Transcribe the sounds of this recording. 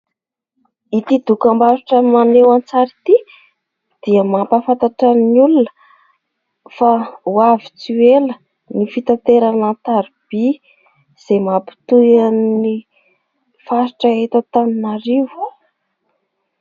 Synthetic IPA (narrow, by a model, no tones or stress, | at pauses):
it̪id̪ukambaɾiʈ͡ʂəmanewant͡saɾit̪i | d̪̥iəmapafant̪aʈ͡ʂəniulunə̥ | fauavit͡syelə | nifit̪at̪eɾanant̪aɾib̥i | z̥emapi̥t̪ujani | fasiʈ͡ʂəet̪at̪aninaɾew